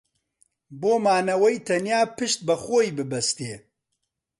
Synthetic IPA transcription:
boːmaːnɐwɛjt̪ʰɐnjaːpɨʃt̪̚bɐxoːibɨbɐst̪eː

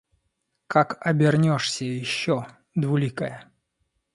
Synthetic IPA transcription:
kʰakɐbʲɪrnʲɔʂsʲəjɪɕːɔ | d̪vʊlʲikəjə

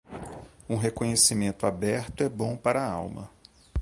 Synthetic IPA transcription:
ũɦekõɲesimẽnt̪ʊabɛɾt̪ʊɛbõw̃paɾɐaa̰wmɐ̰

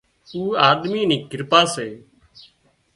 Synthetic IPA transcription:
uːaːɗ̪miːniːɡʱɪɾpaːseː

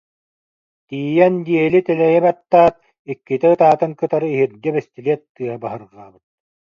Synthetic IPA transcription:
t̪iːjɛnd̪iɛlit̪ɛlɛjɛbat̪ːaːt̪̚ | ikːit̪ɛɯt̪aːt̪ɯŋkɯt̪aɾɯiɦiɾd̪ɛbɛst̪iliɛt̪ːɯɐbaɦɯɾʁaːbɯt̪̚

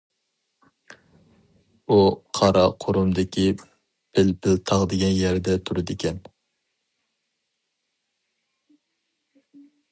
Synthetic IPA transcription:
uqʰɑɾɑqʰoɾumd̪ɪkʲʰi | bɪlpʰɪlt̪ʰɑʁd̪ɪɡʲɛnjɛɾd̪ɛt̪ʰuɾɨd̪ɪkʲʰɛn

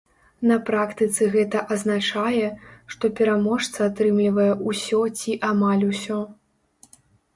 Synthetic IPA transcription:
nɐpɾakt̪ɨt̪sɨɣɛt̪ɐʔɐznat͡ʂajɛʂt̪ɔpʲɛɾamɔʂt̪sɐat̪ɾɨmlʲivɐjɛʔusʲɔt͡sʲiʔamalʲusʲɔ

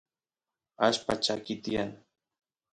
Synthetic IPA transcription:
aʃpat͡ʃakɪt̪ijan

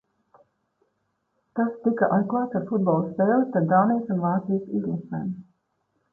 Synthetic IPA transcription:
t̪ast̪ikaʔajzklˠaːt̪aɾfud̪̚bɔːlˠspeːlˠist̪aɾd̪aːnijsunvaːt̪sijsizlˠasɛːm

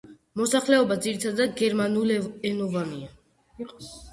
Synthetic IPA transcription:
mɔsaχlɛɔbad̪ziɾit̪ʰad̪ad̪ɡɛɾmanulɛnɔvania

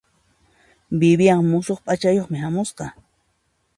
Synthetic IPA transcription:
bɪbɪjaŋmʊsoχpʼat͡ʃajoχmɪɦamʊsqɑ

